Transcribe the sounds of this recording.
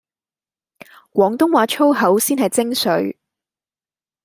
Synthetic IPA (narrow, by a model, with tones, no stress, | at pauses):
kʷɔː˨˥ŋt̪ʊ˥ŋwaː˨˥t͡ʃʰo˥wɦɐ˨˥wsiː˥nɦɐ˨jt͡sɪ˥ŋsɵ˨˥ɥ